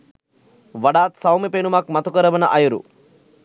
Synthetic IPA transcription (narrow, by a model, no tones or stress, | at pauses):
ʋɐɽaːt̪sɐwmipeːnumakmɐt̪ukɐɾɐbɐnɐ̰ʔɐjɐɾṵ